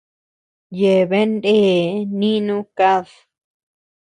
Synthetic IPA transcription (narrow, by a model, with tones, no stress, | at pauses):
je˨βe˦ndeː˦˨nĩ˦nũ˦ka˦ð